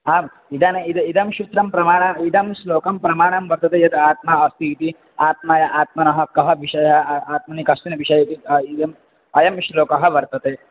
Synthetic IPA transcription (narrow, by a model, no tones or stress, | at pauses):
aːm | id̪aːneid̪ɐid̪ɐmʃut̪ɾɐmpɾɐmaːɳɐid̪ɐmsloːkɐmpɾɐmaːɳɐmʋɐɾt̪ɐt̪ejɐd̪aːt̪̚maːɐst̪iːt̪i | aːt̪̚maːjɐʔaːt̪̚mɐnɐɦɐ̆kɐɦɐbiʃɐjɐɐaːt̪̚mɐnikɐst̪inɐbʱiʃɐjɐt̪iid̪ɐm | ɐjɐmʃloːkɐɦɐ̆ʋɐɾt̪ɐt̪eː